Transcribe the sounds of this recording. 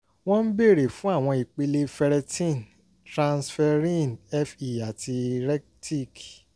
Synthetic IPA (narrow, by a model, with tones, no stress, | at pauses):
w̃ɔ̃˦n̩˦be˦˨ɾe˨fũ˨˦a˦˨w̃ɔ̃˧i˨k͡pe˧le˦fɛ˧ɾɛ˧tĩ˦˨n | tɾã˧nsfɛ˧ɾĩ˦nɛ˦fi˨a˨tʰi˧ɾɛ˦kti˦˨k